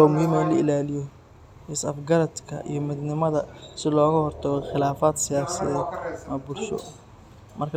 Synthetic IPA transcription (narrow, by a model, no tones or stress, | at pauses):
ɔmʊhiːmɐlɐɪlaːlɪjɔ | ɪsɐfɡɐɾɐd̪kʰɐ̰ʔḭjɞmɪd̪nɪmɐðɐsɪlɔːɣɐhɔrt̪ʰɐɣɔχɪlaːfaːd̪sɪjaːsɐðɛmɐbʊlʃɔ̰ | mɐrkʰ